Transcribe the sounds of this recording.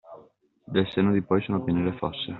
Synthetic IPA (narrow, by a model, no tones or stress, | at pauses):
d̪elsenod̪ipɔjsunopineɾefɔsːe